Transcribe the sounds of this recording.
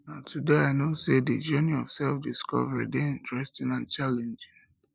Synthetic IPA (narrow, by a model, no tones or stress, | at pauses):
naʊtʰudeaɪnoseded͡ʒɜniɔfsɛlfdiskɔ̰vɛɹḭdeĩntɹɛstĩnãnt͡ʃalɛ̃nd͡ʒɪ̃ŋ